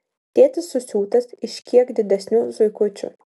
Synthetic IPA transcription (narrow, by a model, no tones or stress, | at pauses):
t̪ʲeːt̪ʲɨsːʊsʲuːt̪ɐsɪʃʲkʲiɛkd̪ʲɪd̪ʲɛsʲnʲuːzʊɪkʊt͡ʃʲʊ̰